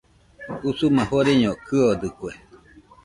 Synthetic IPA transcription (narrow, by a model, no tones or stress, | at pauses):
usumãhoɾeɲõkʰɨod̪ɨkwe